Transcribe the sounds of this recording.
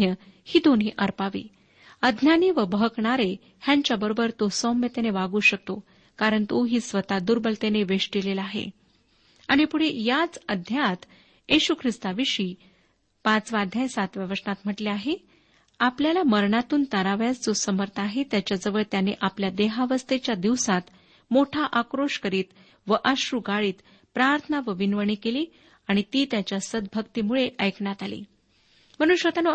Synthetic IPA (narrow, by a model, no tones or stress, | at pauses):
jəhiːd̪ʱon̤iːʔəɾpaʋḭː | əd̪ʱnjaniʋəbəɦəkɳaɾe | hjaɲt͡ɕjabəɾobəɾt̪osɔmet̪eneʋaɡuːɕək̚t̪o | kaɾəɳt̪oɦiːsʋət̪ad̪uɾbəlt̪eneʋeʂʈilelaɦḛ | aɽ̃ipuɽ̤ejat͡səd̪ʱjat̪ | eɕukʰɾist̪aʋiɕiː | pãt͡sʋad̪ʱjajsat̪ʋjəʋəsɳat̪m̤əʈleaɦe | apljalaməɾɳat̪uːnt̪əɾaʋjat͡sd͡zosəməɾt̪ʰaɦet̪jat͡ɕjad͡zəʋəɭt̪janeʔapljad̪eɦaʋəst̪et͡ɕjad̪iʋsat̪ | moʈʰaʔakɾoʂkəɾiːt̪ | ʋəʔaɕɾuɡaɭiːt̪ | pɾaɾt̪ʰənaʋəʋinʋəɳiːkeliː | aɽ̃it̪iːt̪jat͡ɕjasəd̪̚bʱəkt̪imuɭeʔəjkɳjat̪alḭː | m̤əñunɕʋət̪ano